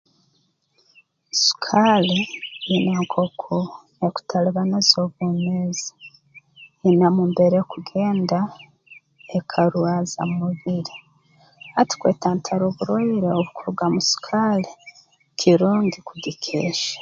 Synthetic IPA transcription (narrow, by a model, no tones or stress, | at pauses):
su̥kʰaleinaŋkʰokʰo | eku̥tʰaliβanezoβuːmeːzi̥ | inamuːmbe̞ɾekuɡe̞ːnda | ekʰaɾuaza̰mmuβiɾi | ati̥kweːtaːntʰaɾoβuɾoiɾeoβukuɾuɡamusu̥kʰale | kʰiɾoːŋɡikudikʰeːʃḁ